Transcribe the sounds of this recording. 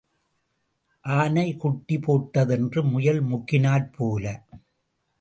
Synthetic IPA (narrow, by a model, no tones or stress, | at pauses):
ʔaːnɐɪkʊʈːɪpoːʈːɐðɛndrɯmʊjɐlmʊkːɪnaːlpʰoːlɐ